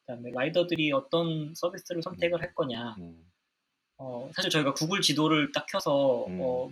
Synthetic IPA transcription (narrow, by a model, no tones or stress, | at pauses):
kɯdaɯmeɾaidʌdɯɾiʌt͈ʌnsʰʌbʱis͈ɯɾɯɭsʰʌmtʰe̞ɡɯɭɦek͈ʌɲa | ʌsʰaɕʰiɭt͡ɕʌiɡakuɡuɭt͡ɕidoɾɯɭt͈akʰjʌsʰʌʌ